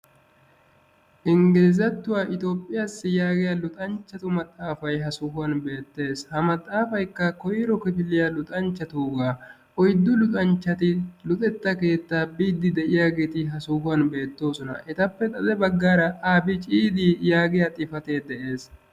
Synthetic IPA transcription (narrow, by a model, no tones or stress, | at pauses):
ʔɪŋɡɪlɪzɐt̪ːʊwaːʔɪt̪o̞ːpʼːɪjasːɪjaːɡɪjalʊt̪ʼɐnt͡ʃːɐt̪ʊmɐt̪ʼːaːfɐjɦɐsʊhʊɐnbe̞ːt̪ːe̞ːshɐmɐt̪ʼːaːfɐjkːɐkɔjɪɾɔkɪfɪlːɪjalʊt̪ʼɐnt͡ʃːɐt̪uːɡa | ʔɔjd̪ːʊlʊt̪ʼɐnt͡ʃːɐt̪ɪlʊt̪ʼɛt̪ːɐke̞ːt̪ːaːbiːd̪ːɪd̪ɛʔɪjaːɡeːt̪ɪɦɐsuhɐnbe̞ːt̪ːo̞ːsɔnɐ̰ʔɛt̪ɐpːɛt̪ʼɐd̪ɛbɐɡːaːɾɐʔaːbɪt͡ʃʼiːd̪ijaːɡɪjat̪ʼɪfɐt̪e̞ːd̪ɛʔe̞ːs